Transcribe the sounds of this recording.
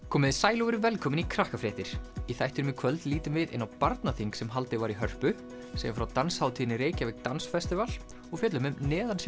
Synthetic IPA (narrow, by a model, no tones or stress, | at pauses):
kʰɔːmɪðɪsaːjlɔɣʏɾɪvɛlkʰɔːmɪnikʰɾahkafɾeːht̪ɪɾ̥iθajht̪ʏɾʏmɪkʰvœlt̪liːt̪ʏmvɪðɪ̰nːawpaɾt̪naθiŋksɛmɦalt̪ɪvaːɾiɦœr̥pʏ | sɛ̰janfɾawt̪anshaːwt̪ʰiːðnɪɾeːjcavɛɣt̪ansfɛst̪ɪval | ɔɣfjɛːt̪lʏmʏmnɛːðans